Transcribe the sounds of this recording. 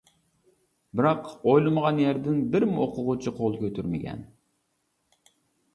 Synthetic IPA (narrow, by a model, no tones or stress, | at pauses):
bɪɾɑqojlˠɨməʁɑnjæɾd̪ɪnbɪɾmoqʰʊʁʊt͡ʃʰiqʰolˠkʲʰøt̪ʰyɾmɪɡʲʰɛ̰n